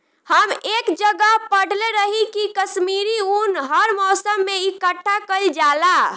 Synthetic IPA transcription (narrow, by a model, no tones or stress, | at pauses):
həmekd͡ʒəɡəɦpəɽ̤leɾəɦikikəsmiɾiunɦəɾmɔsəmːeikəʈʰːakəld͡ʒala